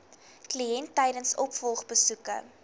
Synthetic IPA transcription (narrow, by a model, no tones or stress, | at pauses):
kliɛntːɛjdənsɔpfɔlˠχbəsukə̰